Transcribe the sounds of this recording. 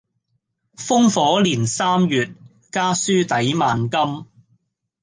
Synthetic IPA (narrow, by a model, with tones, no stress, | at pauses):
fʊ˥ŋfɔː˨˥liː˨˩nsaː˥mjyː˨t̚ | kaː˥syː˥t̪ɐ˨˥jmaː˨nkɐ˥m